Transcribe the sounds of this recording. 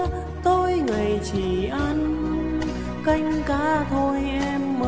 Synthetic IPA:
t̪o˧jŋa˨˩jt͡ɕi˨˩ʔa˧n | ka˧jŋ̟kaː˧˦t̪ʰo˧jʔɛ˧mːə˧

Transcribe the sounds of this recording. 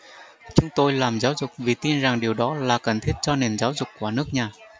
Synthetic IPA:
t͡ɕʊ˨˦ŋ͡mt̪o˧jlaː˨˩mzaː˨˦wzʊ˨˩k͡p̚vi˨˩t̪i˧nza˨˩ŋɗi˨˩əwɗɔ˨˦laː˨˩kə˨˩nt̪ʰi˦˥ət̚t͡ɕɔ˧ne˨˩nzaː˨˦wzʊ˨˩kkːu˧˩ənɨ˦˥ək̚ɲaː˨˩

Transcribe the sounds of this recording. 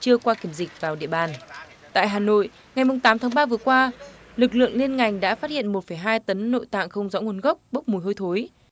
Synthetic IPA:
t͡ɕɨ˧əkwaː˧ki˧˩əmzï˨˩k̟̚vaː˨˩wɗḭ˧˨əɓaː˨˩n | t̪a̰ː˧˨jɦaː˨˩no̰˧˨j | ŋa˨˩jmʊ˨˩ŋ͡mt̪aː˨˦mt̪ʰaː˨˦ŋɓaː˧vɨ˨˩əkwaː˧ | lɨ˨˩k̬̚lɨ̰˧˨əŋli˧ənŋa˨˩jŋ̟ɗa̰ː˧˥faː˦˥t̚hḭ˧˨ənmo˨˩t̚fə˧˩jɦaː˧jt̪ə˨˦nːo̰˧˨jt̪a̰ː˧˨ŋxə˧wŋ͡mzɔ̰˧˥ŋ˨˧˦nɣə˦˥k͡p̚ɓə˦˥k͡p̚mu˨˩jɦo˧jt̪ʰo˨˦j

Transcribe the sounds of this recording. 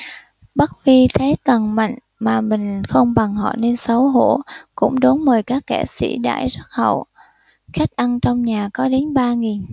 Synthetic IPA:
ɓa˦˥t̚vi˧t̪ʰe˨˦t̪ə˨˩nma̰˧˨jŋ̟ | maː˨˩mï˨˩ŋ̟xə˧wŋ͡mɓa˨˩ŋhɔ̰˧˨ne˧nsə˨˦wɦo˧˥kʊ̰˧˥ŋ͡mɗo˨˦nməː˨˩jkaː˦˥kːɛ˧˩sḭ˧˩ɗa̰ː˧˥˨jzə˦˥t̚hə̰˧˨w | xa˦˥jk̟̚ʔa˧nt͡ɕɔ˧wŋ͡mɲaː˨˩kɔ˨˦ɗe˨˦nɓaː˧ŋi˨˩n

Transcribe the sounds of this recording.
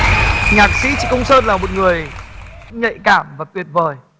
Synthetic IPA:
ŋaː˨˩k̚sḭ˧˥t͡ɕḭ˧˨kə˧wŋ͡msəː˧nlaː˨˩mo˨˩t̚ŋɨ˨˩əj | ɲə̰˧˨jkaː˧˩mvaː˨˩t̪wi˨˩ət̚vəː˨˩j

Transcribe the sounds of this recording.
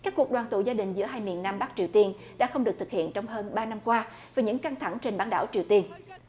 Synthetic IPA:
ka˦˥k̚ku˨˩ək̚ɗwaː˨˩nt̪ṵ˧˨zaː˧ɗï˨˩ŋ̟zɨ̰˧˥əɦaː˧jmḭ˨˩ənːaː˧mɓa˦˥k̚t͡ɕi˨˩əwt̪i˧ən | ɗa̰ː˧˥xə˧wŋ͡mɗɨ˨˩ək̚t̪ɨ˨k̚hḭ˧˨ənt͡ɕɔ˧wŋ͡mɦəː˧nɓaː˧na˧mkwaː˧ | vaː˨˩ɲɨ̰˧˥ŋka˧ŋt̪ʰa˧˩ŋt͡ɕe˧nɓaː˧˦nɗa̰ː˧˩wt͡ɕi˨˩əwt̪i˧ən

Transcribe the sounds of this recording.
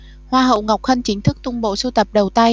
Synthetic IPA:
hwaː˧ɦə̰˧˨wŋa˨˩wk͡p̚xə˧nt͡ɕï˨˦ŋ̟t̪ʰɨ˦˥k̚t̪ʊ˧ŋ͡mɓo̰˧˨su˧t̪ə˨˩p̚ɗə˨˩wt̪a˧j

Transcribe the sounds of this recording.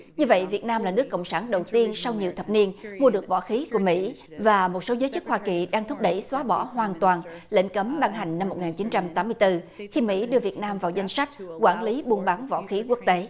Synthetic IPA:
ɲɨ˧və̰˧˨jvi˨˩ət̚naː˧mlaː˨˩nɨ˦˥kːə̰˧˨wŋ͡msaː˧˩nɗə˨˩wt̪i˧ənsa˧wɲi˨˩əwt̪ʰə˨˩p̚ni˧ənmu˧ɨ˨˩ək̚vɔ̰˧˥xi˨˦ku˧˩əmḭ˧˥vaː˨˩mo˨˩t̚so˨˦zəː˨˦jt͡ɕɨ˦˥k̚hwaː˧ki˨˩ɗaː˧ŋt̪ʰʊ˦˥p̚ɗə˧˩jswaː˨˦ɓɔ̰˧˩ɦwaː˨˩nt̪waː˨˩nlḛ˧˥ŋ̟kə˨˦mɓa˧ŋɦa˨˩jŋ̟na˧mːo˨˩t̚ŋaː˨˩nt͡ɕi˨˦nt͡ɕa˧mt̪aː˨˦mɨ˧əjt̪ɨ˧xi˧mḭ˧˥ɗɨ˧əvi˨˩ət̚naː˧mvaː˨˩wza˧jŋ̟sa˦˥jk̟̚kwaː˧˩nli˨˦ɓu˧ənɓa˨˦ŋvɔ̰˧˥xi˨˦ku˦˥ək̚t̪e˨˦

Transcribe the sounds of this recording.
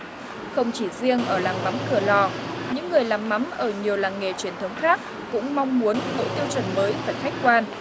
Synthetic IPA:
xə˧wŋ͡mt͡ɕi˧˩zi˧əŋʔəː˧˩laː˨˩ŋma˨˦mkɨ˧˩əlɔ˨˩ɲɨ̰˧˥ŋːɨ˨˩əjlaː˨˩mːa˨˦mʔəː˧˩ɲi˨˩əwlaː˨˩ŋːe˨˩t͡ɕwi˧˩ənt̪ʰə˨˦wŋ͡mxaː˦˥k̚ | kʊ̰˧˥ŋ͡mma˧wŋ͡mmu˨˦ənɓo̰˧˨jt̪i˧wt͡ɕə̰˧˩nməː˨˦jvaː˨˩xa˦˥jk̚kwaː˧n

